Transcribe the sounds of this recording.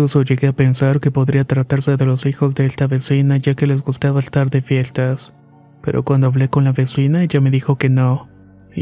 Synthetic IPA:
uso̞ʝe̞ɣe̞ape̞nsaɾke̞po̞ðɾiat̪ɾat̪aɾse̞ðe̞lo̞sixo̞zðe̞est̪aβe̞sinaʝake̞le̞zɣust̪aβaest̪aɾðe̞fje̞st̪as | pe̞ɾʔo̞̰kwand̪o̞aβle̞ko̞nlaβe̞sinae̞ʝame̞ðixo̞ke̞no̞

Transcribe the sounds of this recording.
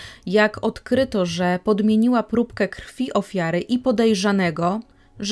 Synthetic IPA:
jakɔt̪kɾɘt̪ɔʐɛpɔd̪mʲjeɲiwapɾupkɛkɾfʲiʔɔfʲjaɾɘʔipɔd̪ɛjʐanɛɡɔ | ʐ

